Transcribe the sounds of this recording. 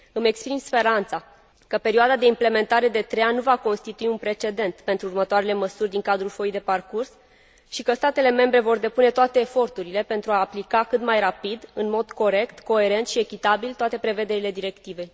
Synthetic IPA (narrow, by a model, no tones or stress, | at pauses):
ɨme̞kspɾimspe̞ɾant̪sa | kəpe̞ɾioad̪ad̪e̞imple̞me̞nt̪aɾe̞d̪e̞t̪ɾeannːuvako̞nst̪it̪uiunpɾe̞t͡ʃe̞d̪e̞nt̪pe̞nt̪ɾuːrmət̪oaɾe̞le̞məsurʲd̪iŋkad̪ɾulfo̞jd̪e̞parkurs | ʃikəst̪at̪e̞le̞me̞mbɾe̞vo̞rd̪e̞pune̞t̪oat̪e̞ːfo̞rt̪uɾile̞pe̞nt̪ɾuaːplikakɨt̪majrapid̪ɨnmo̞d̪ko̞ɾe̞kt̪ko̞e̞ɾe̞nt̪ʃie̞kʲit̪abilt̪oat̪e̞pɾe̞ve̞d̪e̞ɾile̞d̪iɾe̞kt̪ive̞j